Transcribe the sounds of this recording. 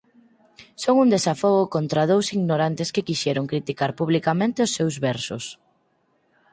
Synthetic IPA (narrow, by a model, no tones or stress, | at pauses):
soŋund̪esafoɣʊkont̪ɾaðowsiɣnoɾant̪eskɪkiʃɛɾoŋkɾit̪ikaɾpuβlikamẽnt̪eosːewzβɛɾsʊ̰s